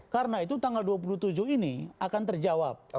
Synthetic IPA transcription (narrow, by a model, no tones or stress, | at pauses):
kaɾnait̪ut̪aŋɡalduap̬ulut̪ud͡ʒuɦiniakant̪ərd͡ʒawap̚